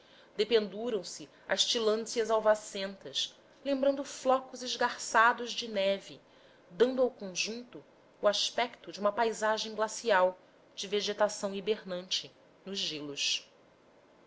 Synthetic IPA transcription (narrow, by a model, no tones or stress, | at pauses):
d̪epẽnd̪uɾɐ̃w̃sɪ | ɐʃt͡ʃilɐ̃siɐzawvasẽnt̪ɐs | lẽmbɾɐ̃nd̪ʊflɔkʊzɪʒɡaɾsad̪ʊzd͡ʒɪnɛvɪ | d̪ɐ̃nd̪ʊawkõʒũnt̪ʊː | aʃpɛkt̪ʊd͡ʒiũmɐpajzaʒẽj̃ɡlasiaw | d͡ʒɪveʒet̪asɐ̃w̃ibeɾnɐ̃nt͡ʃɪ | nʊʒʒelʊʃ